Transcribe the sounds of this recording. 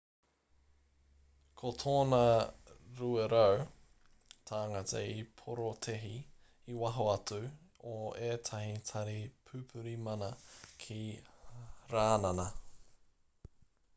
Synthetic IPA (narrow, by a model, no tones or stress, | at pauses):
kʰotʰoːnɐ | ɾueɾow | tʰaːŋatʰɐ̰ipʰoɾotʰeɦi | iwɐɦoɐt͡suoeːtʰɐhitʰɐɾipʰʉpʰʉɾimɐnɐkʰi | ɾaːnɐnɐ